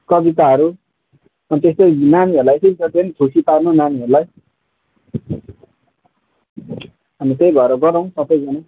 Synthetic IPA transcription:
kʌbit̪aɦʌɾu | ʌnit̪est̪ojnaniɦʌɾulajesejbit͡sʰʌt̪iʌnit̪ʰusiparnonaniɦʌɾulaj | ɦamit̪ejbʱʌeɾʌɡʌɾʌw̃sʌbʌjd͡zʌna

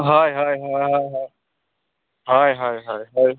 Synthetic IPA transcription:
ɦaːjɦaːjɦajɦajɦa | ɦajɦaːjɦajɦaj

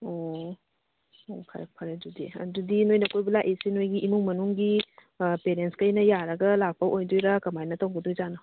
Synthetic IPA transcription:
o | opʰa̰ɾpʰaɾedudḭɐ̰dudinojnɐkojbilaʔesinojɡiʔimuŋmɐnuŋɡi | peɾenskɐjnɐjaɾɐɡɐlak̚pʰawʔojdojɾakɐmajnɐtɐwɡɐdujzanɐ

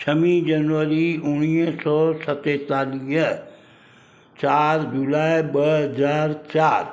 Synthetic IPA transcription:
t͡ʃʰəmĩd͡ʒənʋəɾiʊñiːsɔːsət̪eːt̪aːliː | t͡ʃaːɾd͡ʒulaːebəɦəzaːɾt͡ʃaːɾ

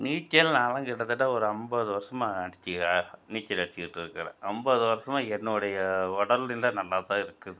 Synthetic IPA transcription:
niːt͡ʃːɐlnaːlɐ̃kɪɽɐt̪ːɯʈːɐɔɾɯɐmbɐðɯʋɐɾɐsɐmaɐɽɪt͡ʃːiniːt͡ʃːɐlɐɽɪt͡ʃːɪkɪʈːɯɾɯkːɐɾɐ̰ʔɐmbɐðɯʋɐɾɐsɐmaɛnːɯɯɽɐjɐɔɽɐlɪnlɐnɐlːaːt̪ãːɪɾɯkːɯðɯ

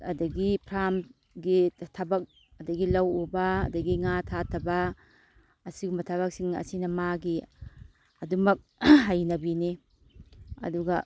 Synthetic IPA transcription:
ɐdɐɡipʰɾam | ɡitʰabɐk̚ | ɐdɐɡilɐwoba̰ːdɐɡiŋatʰatʰɐbaː | siɡumbɐtʰaβɐk̚siŋɐ̰sinɐmaɡi | ɐdumɐk̚ɦajnɐbini | ɐ̰duɡa

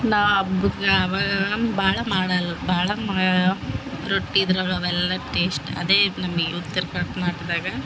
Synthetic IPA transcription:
naːʋɐbuɡɐːʋaːɡɐbʱaːɭɐmaːɽɐlːɐbʱaːɭɐma | ɾoʈːid̪ɾaːɡɐʋɛlːɐʈeːsʈɐ̰d̪eːnɐmɐɡeut̪ːɐɾkɐʈmaːʈid̪aːɡɐ

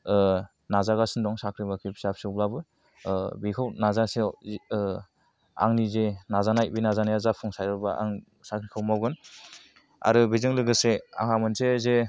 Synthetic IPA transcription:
nazaɡasɯndɔŋsakʰɾibakʰipʰsap̚sɯblabɯ | bikʰawnazase | a̰ŋnizenazanajbinazanajazapʰuŋsajɾbaa̰ŋ | sakʰɾikʰɯwmawɡɯn | a̰ɾɯbizɯŋlɯɡɯsea̰ŋamɯnseze

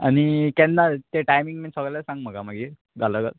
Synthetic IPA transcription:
a̰ñikɛnːat̪eʈajmiŋɡminsəɡɭlasãŋɡm̤əɡamaɡi | ɡaləɡə̰t̪

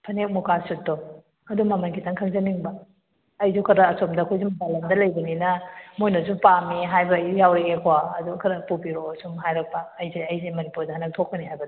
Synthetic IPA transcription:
pʰɐnek̚mukasut̚do | ɐdumɐmɐnɡitʰɐŋkʰɐŋzɐniŋbɐː | jzukʰɐɾɐːsomdɐkʰojzumɐbalɐmdɐlɐjbɐninɐmojnɐzupamiɦajbɐjjawɾeekʰowaɐdukʰɐɾɐpupiɾosumɦajɾɐk̚pɐːjzeɐjzemɐnipuɾdɐhanɐk̚tʰok̚pɐniɦajbɐdi

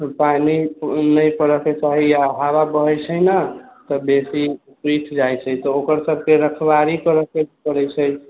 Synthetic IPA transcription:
paninəjpəɾəket͡ʃaɦijaɦaβabəɦəjt͡ʃʰəɦnət̪ɔbesi | pɾit̪ʰd͡ʒajt͡ʃʰət̪ɔokəɾsəb̚ʱkeɾəkʰbaɾikəɾəkekəɾət͡ʃʰəj

